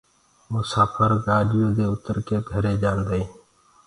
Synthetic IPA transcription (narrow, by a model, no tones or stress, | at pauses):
mʊsaːfʰəɾɡaːɗɪjoːd̪eːʊt̪əɾkeːɡʱəɾeːd͡ʒaːnd̪eeː